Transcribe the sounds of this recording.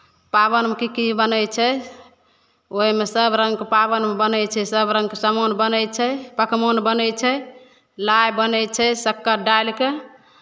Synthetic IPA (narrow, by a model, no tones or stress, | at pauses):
pabənmekikibənəjt͡ʃʰɛ | oɦimesəbɾə̃ŋɡkepaβənmebənəjt͡ʃʰɛsəbɾə̃ŋɡkesəmonbənəjt͡ʃʰɛpəkʰmonbənəjt͡ʃʰɛ | lajbənət͡ʃʰɛsəkːəɖaelke